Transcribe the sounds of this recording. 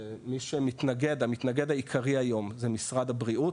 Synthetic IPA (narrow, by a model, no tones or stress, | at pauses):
miʃemit̪naɡe̞d̪amit̪naɡe̞d̪ajikʰaʁiajo̞mzemisʁad̪abʁiʔut